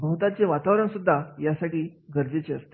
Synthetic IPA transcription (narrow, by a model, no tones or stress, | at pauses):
bəɦut̪at͡seʋat̪aʋɾəɳsud̪ʱːajasaʈiːɡəɾd͡zet͡ɕeə̰st̪e̥